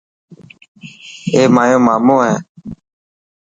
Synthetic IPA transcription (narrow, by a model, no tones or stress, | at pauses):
eːmaːjõːmaːmõːɦɛ̃ː